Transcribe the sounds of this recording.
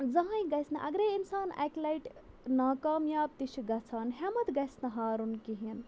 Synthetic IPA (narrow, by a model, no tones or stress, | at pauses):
d͡zɐɦãjɡɐjsnɐʔɐ̰ɡɾeinsaːna̰klɐjʈ | naːkaːmjaːb̚t̪iʃʰiɡɐt͡sʰaːnɦemɐt̪ɡɐjsnɐɦaːɾunkiɦin